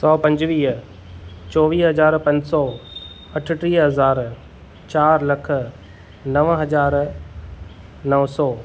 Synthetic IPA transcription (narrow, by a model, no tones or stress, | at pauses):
sɔːpɐ̃ɲd͡ʑʋiːɦ | t͡ɕɔːʋiːɦɐzaːɾpɐ̃ɲd͡ʑsɔː | ɐʈʰʈɾiːɦɐzaːɾ | t͡ɕaːɾlɐk̆ʰ | nɐʋɦɐd͡ʑaːɾ | nɐʋsɔː